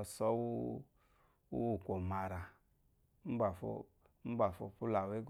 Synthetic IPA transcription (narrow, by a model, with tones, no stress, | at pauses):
sɔ˦wu˦ | wṵ˦wu˦˨kʷo˨ma˨ɾa˨˦ | m̩˦ba˨fo̰˧˨ | m̩˦ba˨fo̰˧pu˦la˨we˦ɡ